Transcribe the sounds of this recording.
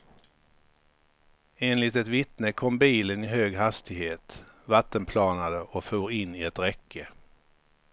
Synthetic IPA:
eːnlɪt̪ɛt̪vɪt̪nəkʰɔmbiːlənɪɦøːɡɦast̪ɪɡheːt̪ | vat̪ːənpʰlɑːnad̪əʔɔfuːɾɪnːɪɛt̪ɾɛkʰːə

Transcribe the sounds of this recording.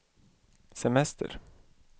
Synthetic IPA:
sɛmɛst̪ʰə̰ɾ

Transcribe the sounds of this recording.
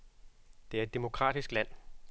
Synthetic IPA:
d̥e̝æɐe̝d̥e̝mo̝kʰʁɑ̰̈ːd̥isɡ̥læn̰

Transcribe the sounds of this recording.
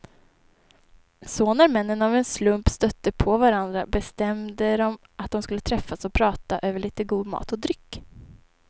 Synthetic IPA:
sɔnæɾmɛnːənavɛnslɵmpst̪œt̪ːəpʰɔvaɾand̪ɾa̰bɛst̪ɛmd̪əɾɔm | ʔat̪̚d̪ɔmskɵlːət̪ʰɾɛfːasɔpʰɾɑːt̪aʔøːvəɭiːt̪əɡuːd̪mɑ̰ːt̪ɔd̪ɾʏkː

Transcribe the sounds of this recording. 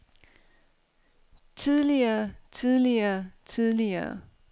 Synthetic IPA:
t͡sʰiðˠliɐːt͡sʰiðˠliɐːt͡sʰiðˠliɐː

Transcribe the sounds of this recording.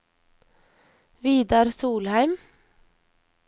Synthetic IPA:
ʋiːd̪ɑːɾsuːlhæɪm

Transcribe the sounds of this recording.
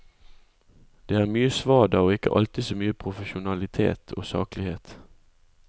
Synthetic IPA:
d̪̥eːæːʁmyːəsʋɑːd̪ɑːoːɪkə̰ʔɑ̰lt̪ɪsoːmyːəpʰʁʊfəʃʊnɑlɪt̪ʰḛːt̪ʰo̰ːsɑ̰ːklɪheːt̪

